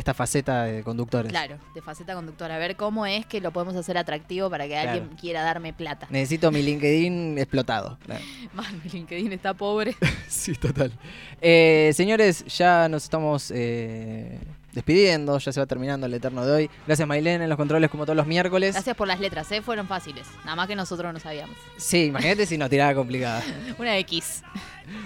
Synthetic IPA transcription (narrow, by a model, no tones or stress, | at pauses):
est̪afaset̪aðeko̞nd̪uk̚t̪o̞ɾeklaɾod̪efaset̪ako̞nd̪uk̚t̪oɾaːβeɾko̞mo̞eskelo̞po̞ð̞emo̞s̬ase̞ɾat̪ɾak̚t̪iβopaɾakealɣjeŋkje̞ɾaðaɾme̞plat̪aneses̬it̪o̞miliŋkeðineksplo̞t̪a̰ðo̞̰a̰masmiliŋkeðinest̪apo̞β̞ɾesit̪ot̪alese̞ɲo̞ɾe̞sʒ̥ano̞sest̪amo̞se | d̪e̞spiðje̞nd̪o̞ʃaseβat̪eɾmĩnãnd̪oelet̪eɾnoðeo̞jɡɾasjasmajlenenloko̞nt̪ɾo̞lekomot̪oolozmjeɾko̞le̞sɾasjaspolaslet̪ɾasefweɾo̞ɱfasilesnaðamaskeno̞sot̪ɾosnosaβiamossiːmaxinat̪es̬ino̞st̪iɾaβako̞mplikaðaunaekis